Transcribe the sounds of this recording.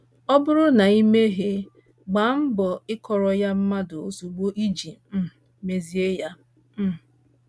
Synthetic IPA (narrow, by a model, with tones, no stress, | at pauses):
ɔ˦bʊ˦ɾʊ˦na˨i˦me˦ɦe˦ | ɡ͡ba˨m̩˦bɔ˨ɪ˦kɔ˨ɾɔ˨ja˦m̩˦ma˦dʊ˨o˦su˨ɡ͡bo˦ʔi˦d͡ʒi˨˦˨ | me˨zi˦e˦ja˦ | m̩˦˨